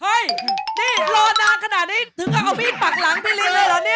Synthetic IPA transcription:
ha˥˩jniː˥˩lɔː˧naː˧˥kʰa˧na˨˩t̪̚niː˦˥˩t̪ʰɯ˩˦ŋʔa˨˧˩ʔa˧wmiː˦˥˩pa˨˩k̚laː˨˦ŋt̪ʰi˧˥˩li˧˨laː˧˥˩laː˧˩ni˦˥˩ɐ

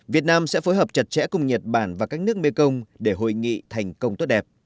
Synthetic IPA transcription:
vi˨˩ət̚naː˧msɛ̰˧˥fo˨˦jɦəː˨˩p̚t͡ɕə˨˩t̚t͡ɕɛ̰˧˥kʊ˧wŋ͡mɲə˨˩t̚ɓaː˧˩nvaː˨˩kaː˦˥k̚nɨ˦˥ək̚me˧kə˧wŋ͡mɗe˧˩ɦo̰˧˨jŋḭ˧˨t̪ʰa˨˩jŋ̟kə˧wŋ͡mt̪o˦˥t̚ɗɛ˨˩p̚

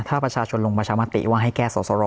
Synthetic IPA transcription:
t̪ʰaː˥˩pɾa˧t͡ɕʰaː˧t͡ɕʰo˧nlo˧ŋpa˧t͡ɕʰaː˧ma˧˥t̪ḭ˨˩waː˥˩ɦa˥˩kɛː˥˩sɔː˨˩sɔ˧ɾɔː˧

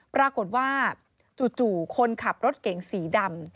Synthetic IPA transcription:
pɾaː˧ko˨˩t̪̚waː˥˩ | t͡ɕuː˨˩t͡ɕuː˨˩kʰo˧nkʰa˨˩p̚ɾo˦˥t̪̚ke˨˩˦ŋsiː˩˦da˧m

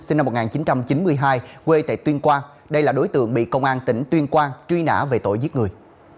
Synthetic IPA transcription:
si˧na˧m˨˩t̚ŋaː˨˩nt͡ɕi˨˦nt͡ɕa˧mt͡ɕi˨˦nmɨ˧əjɦaː˧jkwe˧t̪ḛ˧˨t̪wi˧ənkwaː˧n | ɗə˧jlaː˨˩ɗo˨˦jt̪ɨ̰˧˨əŋɓḭ˧˨kə˧wŋ͡mʔaː˧nt̪ï˧˩ŋ̟t̪wi˧ənkwaː˧ŋt͡ɕwi˧na̰ː˧˥ve˨˩t̪o̰˧˨jzi˦˥k̚ŋɨ˨˩əj

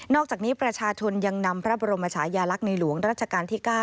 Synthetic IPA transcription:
nɔː˥˩k̚t͡ɕaː˨˩k̚niː˦˥pɾa˧t͡ɕʰaː˧t͡ɕʰo˧nja˧ŋna˧mpʰɾa˦˥bɔː˧ɾo˧maː˧t͡ɕʰaː˩˦jaː˧la˦˥k̚na˧jlu˩˦əŋɾaː˥˩t̪̚t͡ɕʰa˧kaː˧nt̪ʰiː˥kaː˥˩

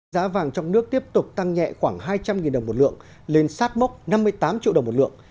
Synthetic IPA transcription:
zaː˨˦vaː˨˩ŋt͡ɕɔ˧wŋ͡mnɨ˦˥ək̚t̪i˦˥əp̚t̪ʊ˨˩k͡p̚t̪a˧ŋɲɛ̰˧˨xwaː˧˩ŋɦaː˧jt͡ɕa˧mŋi˨˩nɗə˨˩wŋ͡mmo˨˩tlɨ̰˧˨əŋ | le˧nsaː˦˥t̚ma˦˥wk͡p̚na˧mːɨ˧əjt̪aː˨˦mt͡ɕḭ˧˨ɗə˨˩ŋ͡mmo˨˩t̚lɨ̰˧˨əŋ

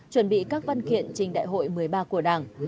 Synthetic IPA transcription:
t͡ɕwə˧˩nɓḭ˧˨kaː˦˥k̚va˧nkḭ˧˨ənt͡ɕï˨˩ŋ̟ɗa̰ː˧˨jɦo̰˧˨jmɨ˨˩əjɓaː˧ku˧˩əɗaː˨˩ŋ

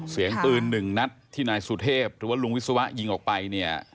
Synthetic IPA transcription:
si˩˦əŋpɯː˧nːɯ˨˩ŋna˦˥t̪ʰːiː˥˩naː˧jsu˨˩t̪ʰeː˥˩p̚ɾɯː˩˦waː˥˩lu˧ŋwt̪̚sa˧wa˦˥ʔji˧ŋʔɔː˨˩k̚pa˧jni˥˩ɐ

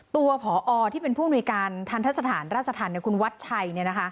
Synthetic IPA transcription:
t̪u˧ɐpʰɔː˩˦ʔɔː˧t̪ʰiː˥˩pe˧npʰuː˥˩nu˧əjkaː˧nt̪ʰaː˧˥˩t̪ʰa˦˥t̪̚sa˧t̪ʰaː˩˦nɾaː˥˩t͡ɕʰːa˧t̪ʰaː˨˩˦nːi˧˩ku˧nwa˦˥t̪̚t͡ɕʰa˧jni˥˩ɐna˦˥kʰa˦˥

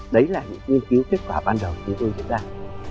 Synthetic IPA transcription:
ɗə˨˦jlaː˨˩ɲɨ̰˧˥ŋŋwi˧ənki˨˦wke˦˥t̚kwaː˧˩ɓaː˧nɗə˨˩wt͡ɕʊ˨˦ŋ͡mt̪o˧jzɨ̰˦˥ət̚zaː˧

